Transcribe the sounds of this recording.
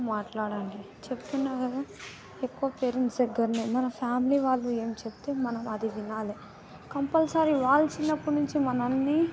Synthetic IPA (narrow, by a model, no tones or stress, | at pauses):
maːʈlaːɽaɳɖi | t͡ʃepu̥t̪unːaːkɐd̪aː | ekːuʋɐpeːɾind̪ɐɡːɐɾnimɐnɐpʰjaːmiliːʋaːɭːue̞ːmt͡ʃepu̥t̪eːmɐnɐmɐd̪iʋinaːle | kɐmpɐlsaːɾiʋaːɭɐt͡ʃinːɐpːuɽnuɲt͡ʃimɐnɐnːiː